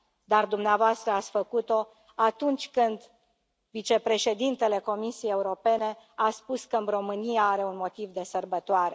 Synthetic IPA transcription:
d̪ard̪umneavoast̪ɾəat̪sʲfəkut̪o̞ | at̪unt͡ʃʲkɨnd̪ | vit͡ʃe̞pɾe̞ʃe̞d̪int̪e̞le̞ko̞misieje̞uɾo̞pe̞ne̞aspuskəɨɾo̞mɨnijaaɾe̞unmo̞t̪ivd̪e̞sərbət̪oaɾe̞̰

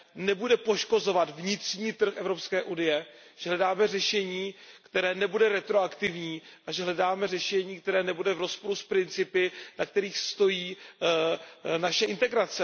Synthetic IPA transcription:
nɛbudɛpo̞ʃko̞zo̞vat̪vɲɪt̪r̥ɲiːt̪r̩xʔɛvɾo̞pskɛːʔunɪjɛ | ʒ̥ɛɦlɛdaːmɛrɛʃɛɲiːkt̪ɛɾɛːnɛbudɛɾɛt̪ɾoakt̪ɪvɲiːʔaʒɛɦlɛdaːmɛr̝ɛʃɛɲiːk̚t̪ɛɾɛːnɛbudɛvɾo̞spo̞ɾuspɾɪnt͡sɪpɪnak̚t̪ɛɾiːxst̪o̞jiː | naʃɛʔɪnt̪ɛɡɾat͡sɛ

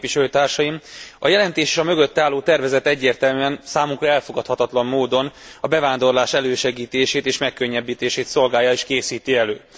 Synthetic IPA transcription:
iʃɛløt̪aːrʃɒjimɒjɛlɛnt̪eːʃeːʃɒmøɡøt̪ːɛaːlːoːt̪ɛrvɛzɛt̪ɛɟːeːrt̪ɛlmyːɛnsaːmuŋkrɒɛlfo̞ɡɒt̪hɒt̪ɒt̪lɒmːoːd̪o̞nɒbɛvaːnd̪o̞rlaːʃɛløːʃɛɡiːt̪eːʃeːt̪eːʃmɛkːø̞ɲːɛbːiːt̪eːʃeːt̪so̞lɡaːjːɒeːʃkeːsiːt̪iɛløː

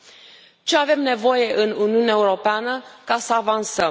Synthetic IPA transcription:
t͡ʃe̞ave̞mne̞vo̞je̞ʔɨnuniuneaeuɾo̞peanəkasəavansəm

